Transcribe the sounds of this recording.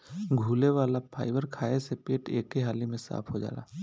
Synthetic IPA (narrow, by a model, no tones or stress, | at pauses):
ɡʱuːleʋaːlapʰaːɪʋəɾkʰaːesepeːʈeːkːeɦaːlimẽsa̰ːpʰɦod͡ʒa̰ːla̰ː